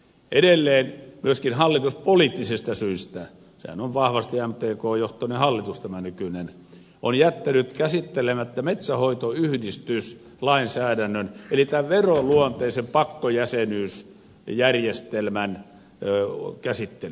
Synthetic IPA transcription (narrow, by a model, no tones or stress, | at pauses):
ʔedelːeːnmyøskinhɑlːit̪uspoliːt̪ːisest̪ɑsyist̪æ | sḛhæ̰noʋʋɑhʋɑst̪æmt̪eːkoːjoht̪onehɑlːit̪ust̪æmænykynen | onjæt̪ːænyt̪kæsit̪ːelemæt̪ːæmet̪sæhoit̪oyhdist̪ys | lɑinsæːdænːønelit̪æʋʋeroluont̪eisempɑkːojæsenyːs | jærjest̪elmæn | kæsit̪ːel